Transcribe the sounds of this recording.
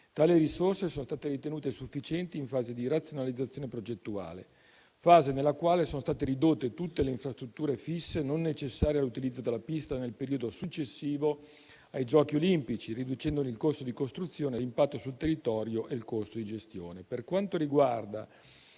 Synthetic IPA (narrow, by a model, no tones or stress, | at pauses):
t̪aːleɾisorsesoːnost̪aːt̪eɾit̪enuːt̪esufːit͡ʃɛnt̪iːɱfaːzed̪irat̪sːjonalid̪zːat̪sːjoːnepɾod͡ʒet̪ːua̰ːlḛ | faːzenelːakwaːlesoːnost̪aːt̪eɾid̪ot̪ːet̪ut̪ːeleiɱfɾast̪ɾut̪ːuːɾefisːenonːet͡ʃesːaːɾjealːut̪ilid̪zːod̪elːapist̪anelpeɾiːod̪osut͡ʃːesːiːvo | ajd͡ʒɔːkiolimpit͡ʃirid̪ut͡ʃɛnd̪onilkost̪od̪ikost̪ɾut̪sːjoːnelimpat̪ːosult̪erːit̪ɔːɾjoʔelkost̪od̪id͡ʒest̪jo̰ːneperkwant̪oɾiɡward̪a